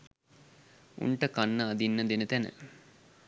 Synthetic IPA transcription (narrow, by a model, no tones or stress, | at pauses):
ṵɳʈəkanːəɐd̪inːəd̪enət̪ænə̰